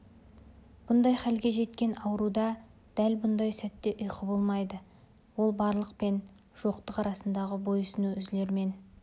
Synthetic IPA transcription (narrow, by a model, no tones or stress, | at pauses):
b̥ʊnd̪ɑjχælɡʲe̞ʒe̞t̪kʲe̞nɑwəɾud̪ɑ | d̪̥ælbʊnd̪ɑjsæt̪ːe̞ʔʊjqʰəbo̞lˠmɑjd̪ə | wo̞lˠbɑɾlˠəq̚pe̞n | ʒ̥o̞qt̪əqɑɾɑsənd̪ɑʁəbo̞jʊsɪnuʏzle̞ɾme̞n